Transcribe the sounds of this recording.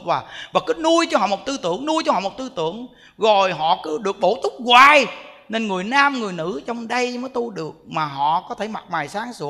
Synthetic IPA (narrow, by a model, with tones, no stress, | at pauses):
vaː˨˩vaː˨˩kɨ˨˦nu˧əjt͡ɕɔ˧ɦɔ̰˧˨mo˨˩t̚t̪ɨ˧t̪ɨ̰˧˩˨əŋnu˧əjt͡ɕɔ˧hɔ̰˧˨mo˨˩t̚t̪ɨ˧t̪ɨ̰˧˨əŋ | zo˨˩jɦɔ̰˧˨kɨ˨˦ɗɨ˨˩ək̚ɓo˧˩˦t̪ʊ˦˥k͡p̚ɣwaː˨˩j | ne˧nŋɨ˨˩əjnaː˧mŋɨ˨˩əjnɨ̰˧˥t͡ɕɔ˧wŋ͡mɗə˧jməː˨˦jt̪u˧ɗɨ˨˩ək̚maː˨˩ɦɔ̰˧˨kɔ˨˦t̪ʰe˧˩ma˨˩t̚maː˨˩jsaː˨˦ŋsu˧˦